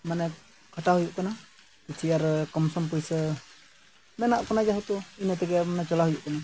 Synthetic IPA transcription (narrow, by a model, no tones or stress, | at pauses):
mana | kat̪aɦujuʔk̪ɔna | kit͡ʃiaɾkɔmsɔmpuisə | mɛnaʔkɔnad͡ʒaɦut̪uinət̪ɛɡɛmanat͡ʃɔlaɦujuʔk̪ɔna